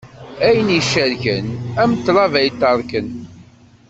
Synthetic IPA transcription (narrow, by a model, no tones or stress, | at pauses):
æjənjiʃːæɾçənæmət̪ːlˤɑvæjt̪ːɑɾˤkən